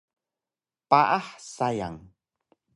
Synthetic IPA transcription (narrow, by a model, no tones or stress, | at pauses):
paʔaħsaja̰ŋ